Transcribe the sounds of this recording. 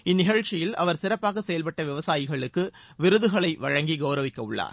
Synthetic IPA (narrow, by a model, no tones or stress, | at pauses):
ɪnːɪɣɐɻt͡ʃɪjɪlɐ̰ʋɐɾsɪɾɐpːaːɣɐsɛjɐlpɐʈːɐʋɪʋɐsaːjɪɣɐɭɯkːɯ | ʋɪɾɯðɯɣɐɭɐɪʋɐɻɐŋɡiɡɐʊɾɐʋɪkːɐʊɭːa̰ːɾ